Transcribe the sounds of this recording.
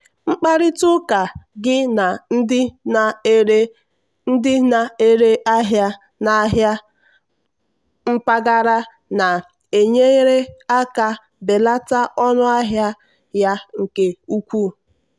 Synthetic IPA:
ŋ͡m̩˦k͡pa˦ɾɪ˦tʊ˦ka˨ɡɪ˦na˨˦ɪ˦˨˦ | n̩˦dɪ˦na˨e˦ɾe˦ʔa˦ɦja˦ | na˨˦ɦja˦ | ŋ͡m̩˦pa˦ɡa˦ɾa˦ | na˨ | e˨ɲe˦i˦ɾe˦a˦ka˦ | be˨la˦ta˦ʔɔ˦nʊ˦a˦ɦja˦ | ja˦ŋ̩˨ke˨u˦kʷu˦

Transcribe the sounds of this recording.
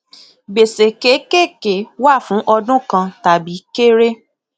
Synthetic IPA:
ɡ͡be˨se˨ke˨˦ke˦˨ke˨˦wa˦˨fũ˨˦ʔɔ˧dũ˦kã˧ta˨bi˨˦ke˦ɾe˦

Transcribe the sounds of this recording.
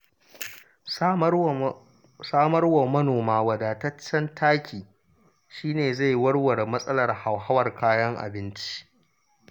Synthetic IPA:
saː˦mɐ˦rwa˨mɐ˦noː˨maː˦wɐ˨daː˨tɐ˦t͡ʃːɐ˦ntʰaː˦kʲʰiː˨ | ʃiː˦neː˨za˦˨jwɐ˦ɽwɐ˨rmɐ˦sʼɐ˦lɐ˨rha˨wɦa˦wɐ˨rkʰaː˦jɐ˦ŋʔa̰˨bɪ˦nt͡ʃi̥˦ʔ

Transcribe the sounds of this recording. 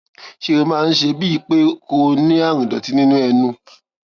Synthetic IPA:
ʃe˦˧ɾo˧mãː˦˧n̩˦ʃe˧bi˦i˨˧˦k͡pe˦ko˧nĩ˦a˦˨ɾ̃ĩ˨dɔ̰˨ti˨˦nĩ˦nũ˦ɛ˧nũ˧

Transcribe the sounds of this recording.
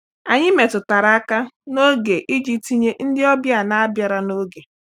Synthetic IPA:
a˨ɲɪ˦me˨tʊ˨ta˨ɾa˨a˦ka˦no˦ɡe˨ʔi˦d͡ʒi˦ti˨ɲe˦n̩˦dɪ˦ɔ˦bja˨na˦a˦bja˨ɾa˦no˦ɡe˨

